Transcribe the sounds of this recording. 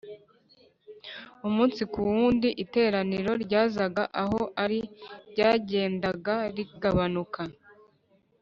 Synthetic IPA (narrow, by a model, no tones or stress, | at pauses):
umuːnsikuwuːndiʔite̞ːɾaniɾo̞ɾɟaːzaɡaʔaɦoʔaɾiɟaːɟe̞ːndaɡaɾiɡaβanuka